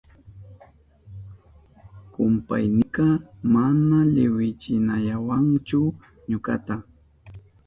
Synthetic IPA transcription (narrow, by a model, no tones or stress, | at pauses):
kʊmpa̰jnɪkɑmanaʎɪwɪt͡ʃɪnaʎawant͡ʃʊ | ɲʊka̰t̪a